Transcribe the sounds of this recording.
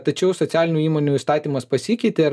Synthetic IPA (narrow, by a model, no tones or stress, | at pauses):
t̪ɐt͡ʃʲɛʊsɔsʲæːlʲɪnʲuːiːmoːnʲuist̪ɑːt̪ʲiːmɐspɐsʲiːkʲɛɪt̪ʲeːɾ